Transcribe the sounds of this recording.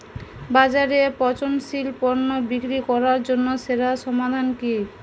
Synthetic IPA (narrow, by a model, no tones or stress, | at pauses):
bad͡ʑaɾepɔt͡ɕonʃilpɔɾnobikɾikɔɾaɾd͡ʑonːoʃeɾaʃɔmad̪ʱanki